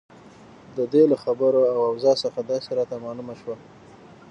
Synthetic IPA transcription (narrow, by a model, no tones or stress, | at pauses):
d̪əd̪elaxabəɾoawawzɑsəxad̪ɑseɾɑt̪amɑlumaʃwa